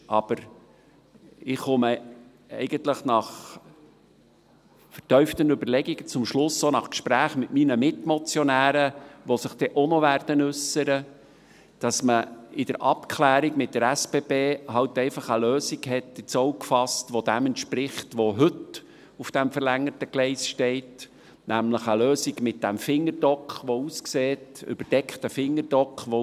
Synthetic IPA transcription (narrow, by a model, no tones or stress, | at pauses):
ʔɑb̥əɾ | ɪχʊmə | ɛ̰ɪɡ̥ənt̪ləχnɑχ | fəɾtœʏft̪ənʉbəɾlɛɡiɡ̥ət͡sʊmʃlʊsːonɑχkʃpɾæːχmɪtminəmɪtmɔt͡sjɔnæːɾəʋosəχd̥ɛʔonɔʋæːɾd̥ənʉsəɾə | d̥ɑsməɪd̥əɾʔɑpkχlæːɾiɡmɪt̚d̥əɾæspeːbeːɦɑwtɛɪfɑχəløːsiɡɦɛtɪt͡sowkfɑstʋɔd̥æmɛntʃpɾɪχtʋoɦɵt | ufd̥æmfəɾlæŋːətəɡ̥lɛɪsʃtɛɪt | næmləχəløːsiɡmɪt̚d̥æmfɪŋːəɾd̥ɔkχʋɔuːskseːtʏ̰b̥əɾd̥ɛkχtəfɪŋːəɾd̥ɔkχʋɔ